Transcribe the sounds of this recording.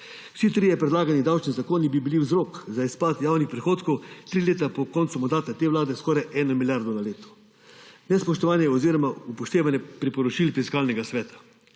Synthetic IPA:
w̥sit̪ɾiːjɛpɾɛd̪laːɡanid̪awt͡ʃnizakoːnibibiliwzɾoːkzaispaːt̪jaːwnixpɾɛxoːt̪kɔwt̪ɾileːt̪apɔkɔːnt̪sumand̪aːt̪at̪eːʋlaːd̪ɛskɔːɾajʔɛːnamiljaɾd̪ɔnaleːt̪ɔ̥ | nɛspɔʃt̪ɔʋaːnjɛɔziːɾɔmaupɔʃt̪eːʋanjɛpɾipɔɾɔt͡ʃilfiskaːlnɛɡasʋɛːt̪ḁ

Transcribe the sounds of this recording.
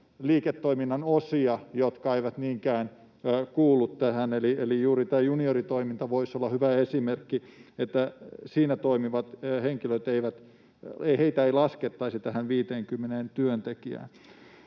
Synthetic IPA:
liːket̪ːoiminːɑnosiɑjot̪kɑeiʋæt̪niːŋkæːnː | kuːlːut̪t̪æhænelielijuːɾit̪æːjuniorit̪oimint̪ɑʋoisolːɑhyʋæesimerkːiet̪ːæsiːnæt̪oimiʋɑt̪heŋkiløit̪eiʋæt̪ | eheit̪æeilɑsket̪ːɑisit̪æhænʋiːt̪eːŋkymːeneːnt̪yønt̪ekiæ̰ːn

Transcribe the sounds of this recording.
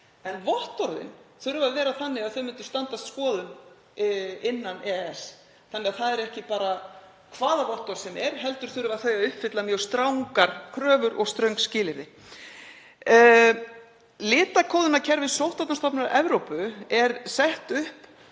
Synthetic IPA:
ɛnvɔht̪ɔɾðɪ̰nθœɾʏvaðvɛːɾaθanːɪɣaðθœɥmɪnt̪ʏ̥st̪ant̪ast̪skɔːðʏn | ɪnːanɛɛs | θanːɪɣaðθaðɛɾɛhcɪpaːɾa | kʰvaːðavɔht̪ɔɾ̥sɛmɛɾ̥ɦɛl̪t̪ʏɾ̥θʏɾʏvaθœɥaʏhpfɪt̪lamjœwst̪ɾawŋkaɾ̥kʰɾœːvʏɾʔɔɣst̪ɾœɥwŋkscɪːlɪɾðɪ | lɪːt̪akʰoːwðʏnacʰɛɾvɪsowht̪ɔt̪nast̪ɔpnɪɾaʔɛvɾowpʏɛɾsɛht̪ʏhp

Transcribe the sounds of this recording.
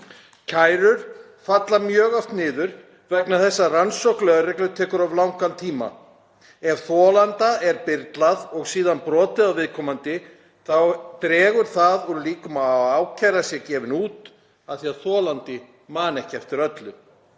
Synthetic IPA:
cʰajɾʏɾ̥ | fat̪lamjœːɣaft̪nɪːðʏɾ̥ | vɛknaθɛsːaransɔwklɛɣaɾrɛklʏt̪ʰɛːkʏɾavlawŋkant̪ʰiːma̰ | ɛv̥θɔːlant̪aɛɾpɪɾt̪laðɔɣsiːðanpɾɔːt̪ɪðawvɪðkʰɔmant̪ɪ | θawt̪ɾɛːɣʏɾ̥θaðuɾliːkʏmaaːwcʰajɾasjɛcɛːvɪnuːt̪ | aðθiaðθɔːlant̪ɪ | maːnɛhcɛft̪ɪɾœt̪lʏ

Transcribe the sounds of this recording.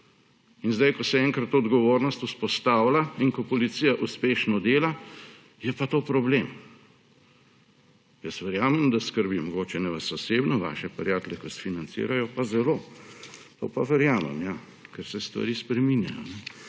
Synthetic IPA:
inzd̪ajkɔsɛɛŋkɾat̪ːoːd̪ɡɔʋoːɾnɔst̪uspɔst̪aːwlainkɔpɔlit̪sijaʔuspeːʃnɔd̪eːla | jɛpat̪oːpɾɔblem | jəsʋɛɾjaːmɛmd̪askəɾbimɔɡoːt͡ʃɛnɛʋasasebnɔʋa̰ːʃɛpɛɾjaːt̪lɛkɔsfinant̪sḭːɾajɔpazɛloː | t̪o̰ːpaʋɛɾjaːmɛ̰mja | kɛɾsɛst̪ʋa̰ɾiːspɾɛminja̰jɔ̰nɛ

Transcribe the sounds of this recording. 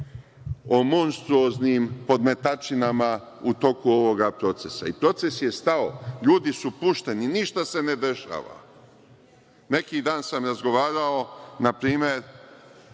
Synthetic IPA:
o̞mo̞nst̪ɾuo̞znimpo̞d̪me̞t̪at͡ʃinama | ut̪o̞kuo̞ʋo̞ɡapɾo̞t̪se̞sa̰ipɾo̞t̪se̞sje̞st̪ao̰ʎuːd̪isupuʃt̪e̞niniʃt̪ase̞ne̞d̪e̞ʃa̰ːʋa̰ | ne̞kid̪aːnsamɾazɡo̞ʋaːɾao̞napɾiːme̞ɾ

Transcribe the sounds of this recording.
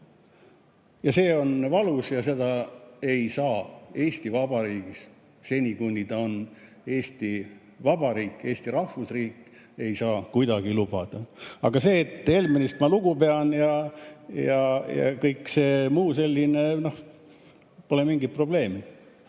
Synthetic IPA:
jɑse̞ːo̞nvɑlusjɑse̞d̪̥ɑe̞jsɑːeːst̪ivɑb̥ɑɾiːɡ̥is | se̞nʲikunʲːid̪ɑo̞n | e̞ːst̪i | vɑb̥ɑɾiːkˑːe̞ːst̪iɾɑhvusriːkːˑ | e̞jsɑːkujd̪ɑɡ̥ilub̥ɑd̪̥ɑɑ̰ɡ̥ɑse̞ːt̪ːˑe̞lminist̪mɑluɡ̥upe̞ɑnjɑjɑjɑ̰kɤjkːse̞ːmuːse̞lʲːinenoh | po̞lemiŋɡit̪̚pro̞ble̞ːmi

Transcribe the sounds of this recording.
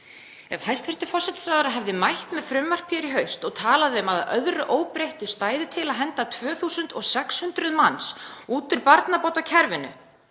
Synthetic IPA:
ɛ̰vhajst̪fɪr̥t̪ʏfɔr̥sɛt̪sɾaːwðʏɾaɦɛvðɪmajht̪mɛðfɾʏmːar̥pʰjɛɾiɦœɥst̪ɔɣt̪ʰaːlaðɪʏmaðaœðɾʏʔoːwpɾejht̪ʏst̪aːjðɪt̪ʰɪlaðɦɛnt̪at̪ʰvœːθusʏnt̪ɔɣsɛkshʏnt̪ɾʏðmansuːt̪ʏɾpaɾt̪napowt̪acʰɛɾvɪnʏ̰

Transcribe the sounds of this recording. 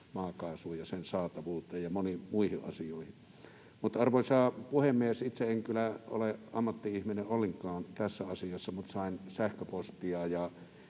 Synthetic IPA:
mɑːkɑˑːsuːjjɑsensɑːt̪ɑʋuːt̪ˑeːjjɑmonimuihiʔʔɑ̰sijoˑihin | mut̪ɑrʋosʲɑːpuhemːiesit̪seeŋkylæo̰leɑ̰mːɑt̪ːiihmineʔʔolːeŋkˑɑːnt̪æsːæɑsijɑsːɑmut̪sɑˑensæhkøpost̪iɑːjɑ

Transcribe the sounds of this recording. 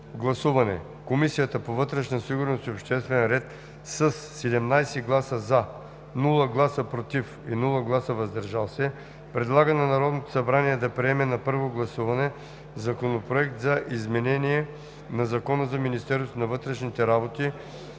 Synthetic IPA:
ɡlˠɐsuvɐnɛ̰ | komisijət̪əpovɤt̪ɾɛʃnəsiɡʊɾnost̪iopʃt̪ɛst̪vɛnɾɛt̪ | səsːɛd̪ɛmnajsɛɡlˠasəza | nulˠəɡlˠasəpɾot̪ifinulˠəɡlˠasəvɐzd̪ɐɾʒalˠsɛ | pɾɛd̪lˠaɡənɐnɐɾɔd̪not̪o̥sɐbɾaniɛd̪ɐpɾiɛmɛnɐpɤɾvoɡlˠɐsuvɐnɛ | zɐkonopɾoɛkt̪zɐʔizmɛnɛniɛ | nɐzɐkɔnəzɐminist̪ɛɾssnɐvɤt̪ɾɛʃnit̪ɛɾabot̪i

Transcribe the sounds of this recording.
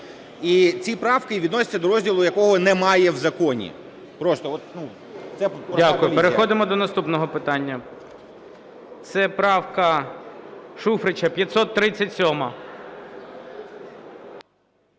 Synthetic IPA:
it͡sʲipɾɑwkɪʋʲid̪nɔsʲɐ̥t͡sʲɐd̪ɔɾɔzʲdʲilˠʊjɐkɔɦɔnɛmɑjɛwzɐkɔnʲḭ | pɾɔst̪ɔɔt̪nu | t̪sɛdʲakʊjʊpeɾexɔd̪ɪmɔd̪ɔnɐst̪upnɔɦɔpɪt̪ɑnʲːɐ | t̪sɛpɾɑwkɐ | ʃufɾɪt͡ʃɐpʲjɐt̪ʲsɔt̪ːɾɪt͡sʲːɐtʲsʲɔmɐ

